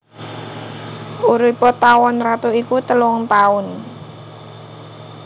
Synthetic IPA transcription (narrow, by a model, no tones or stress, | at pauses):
uɾipɔt̪awɔnrat̪uikut̪əlʊŋt̪aʊn